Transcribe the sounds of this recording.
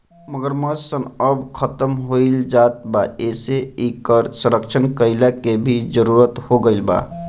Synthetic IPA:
məɡəɾməd͡ʒsənəbkʰət̪əmɦoild͡ʒaːt̪̚baeseikəɾsə̃ɾək̚t͡ʃʰənkəɪlakebʱid͡ʒəɾuɾət̪hoɡəɪlba̰

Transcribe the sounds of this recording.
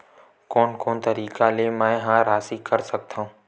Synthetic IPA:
koːnkoːnt̪ɐɾiːkaleːmãːɪ̃ɦãːɾaːsikɐɾsɐɡ̚t̪ʰãː

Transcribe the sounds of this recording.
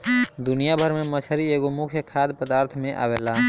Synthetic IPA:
d̪ʊnijabʱəɾmẽmət͡ʃʰəɾieːɡomʊkʰjəkʰaːd̪pəd̪aːɾt̪ʰmẽʔa̰ːwelaː

